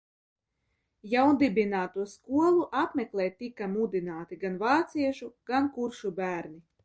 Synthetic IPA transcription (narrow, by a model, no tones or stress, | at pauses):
jawnd̪ibʲinaːt̪uɔskuɔlˠuʔapmʲɛklʲˠɛːjt̪ːikːamud̪inaːt̪iɡanvɑːt̪siɛʃuɡ̥ankuɾʃubæːɾni